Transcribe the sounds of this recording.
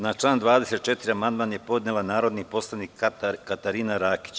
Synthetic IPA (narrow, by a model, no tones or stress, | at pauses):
nat͡ʃlˠaːnd̪ʋaːd̪ese̞t̪̚t͡ʃe̞t̪iɾiamand̪manje̞po̞d̪nelanaːɾo̞d̪nipo̞slˠanikkːat̪aɾiːnaɾaːki̥t͡ɕ